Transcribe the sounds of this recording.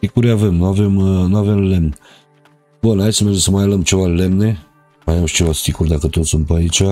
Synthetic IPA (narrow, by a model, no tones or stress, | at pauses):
ikuɾjavemnuavemnuavemlemn | bonait͡ʃmɛrd͡ʒesəmajaləmt͡ʃevalemne | majamʃt͡ʃevast̪ikuɾd̪akət̪osumpəait͡ʃa